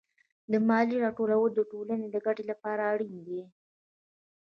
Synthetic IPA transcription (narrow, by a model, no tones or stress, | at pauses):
d̪əmɑliɾɑʈoɾawəd̪əʈolaned̪əɡaʈelapɑɾaːɽind̪i